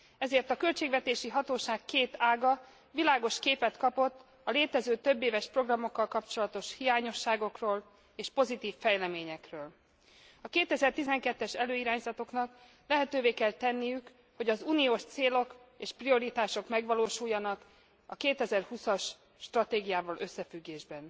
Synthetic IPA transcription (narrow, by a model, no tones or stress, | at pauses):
ɛzeːrt̪ɒkø̞lt͡ʃeːɡʋɛt̪eːʃiɦɒt̪oːʃaːkkːeːt̪aːɡɒ | vilaːɡo̞ʃkeːpɛt̪kɒpo̞t̪ː | ɒleːt̪ɛzøːt̪øbːeːvɛʃpro̞ɡrɒmo̞kːɒlkɒpt͡ʃo̞lɒt̪o̞ʃhijaːɲo̞ʃːaːɡo̞kroːl | eːʃpo̞zit̪iːfːɛjlɛmeːɲɛkrøːl | ɒkeːt̪ɛzɛrt̪izɛŋkɛt̪ːɛʃɛløːiɾaːɲzɒt̪o̞knɒk | lɛɦɛt̪øːveːkɛlt̪ɛnːijyk | ho̞ɟɒzunijoːʃt̪seːlo̞k | eːʃprio̞ɾit̪aːʃo̞kmɛɡʋɒloːʃujːɒnɒk | ɒkeːt̪ɛzɛrhusɒʃː | t̪rɒt̪eːɡijaːvɒlʔø̞sːɛfyɡːeːʒbɛn